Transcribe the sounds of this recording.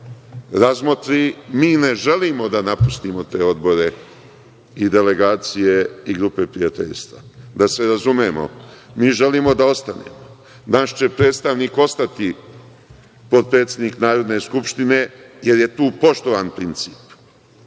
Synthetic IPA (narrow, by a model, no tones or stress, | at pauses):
ɾazmot̪ɾimiːne̞ʒe̞limo̞d̪anapust̪imo̞t̪e̞ːo̞d̪bo̞ɾe̞ | id̪e̞le̞ɡaːt̪sije̞iɡɾupe̞pɾijat̪ḛʎst̪ʋad̪ase̞ɾazumemo̞̰miːʒe̞liːmo̞d̪ao̞st̪anḛːmo | naʃt͡ɕe̞pɾe̞ːt̪st̪aʋniːko̞st̪at̪i | po̞d̪̚pɾet̪se̞d̪niknaːɾo̞d̪ne̞skupʃt̪ine̞je̞ɾje̞t̪uːpo̞ʃt̪oʋaːnpɾint̪si̥ːp